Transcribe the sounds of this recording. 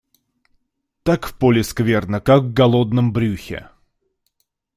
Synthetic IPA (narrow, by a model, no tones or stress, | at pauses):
t̪akfpolʲɪskvʲernəkaɡvɡɐlˠod̪nəmbɾʲuxʲɪ̰